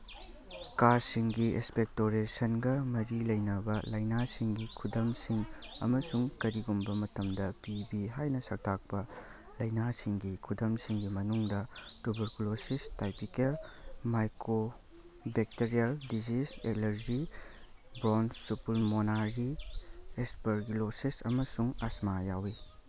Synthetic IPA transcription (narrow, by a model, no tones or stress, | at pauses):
kaɾsiŋɡiḭspek̚toɾesɐnɡɐmɐɾilɐjnɐbɐlɐjnasiŋɡikʰudɐmsiŋɐ̰mɐsuŋkɐɾiɡumbɐmɐtɐmdɐpibiɦajnɐsɐk̚tʰak̚pɐ | lɐjnasiŋɡikʰudɐmsiŋɡimɐnuŋdɐtubɐɾkulosistajpikelmajkɾo | bek̚teɾialdiziselɐɾd͡ʒi | bɾonsupulmonaɾi | espɐɾɡilosisɐ̰mɐsuŋasmajawi